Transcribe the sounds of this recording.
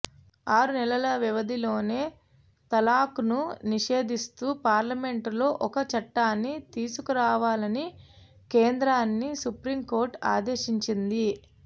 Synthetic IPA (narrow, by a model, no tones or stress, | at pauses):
aːɾunɛlɐlɐʋiʋɐd̪ilo̞ːne̞ː | t̪ɐlaːkununiʃe̞ːd̪ist̪uːpaːɾlɐme̞ɳʈlo̞ːʔɔkɐt͡ʃɐʈːaːnːit̪iːsukuɾaːʋaːlɐni | keːnd̪ɾaːnːisupɾiːmko̞ːɾʈa̰ːd̪e̞ːʃiɲt͡ʃind̪i